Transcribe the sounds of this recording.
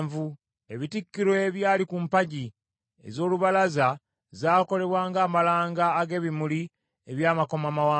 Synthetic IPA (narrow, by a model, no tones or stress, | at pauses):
vu | e̞βitikːiɾweβjaːlikumpaɟi | ḛzo̞ːluβalaza | zaːko̞le̞βwaːŋɡaːmalaːŋɡaːɡe̞ːβimuli | eβjaːmako̞mamawaː